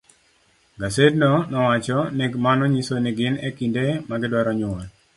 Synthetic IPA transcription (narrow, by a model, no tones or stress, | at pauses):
ɡasednɔnɔwat͡ʃɔneɡmanɔɲisonɪɡɪnekindemaɡɪdwɔɾɔɲʊɔl